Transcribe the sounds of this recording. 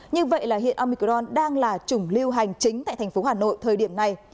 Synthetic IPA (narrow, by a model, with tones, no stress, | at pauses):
ɲɨ˧və̰˧˨jlaː˨˩ɦḭ˧˨ənʔaː˧mi˧kzɔ˧nɗaː˧ŋlaː˨˩t͡ɕʊ˧˩ŋ͡mli˧əwɦa˨˩jŋ̟t͡ɕï˨˦ŋ̟t̪a̰ː˧˨t̪ʰɛ˨˩ŋ̟fo˨˦ɦaː˨˩no̰˧˨jt̪ʰəː˨˩jɗi˧˩əmna˨˩j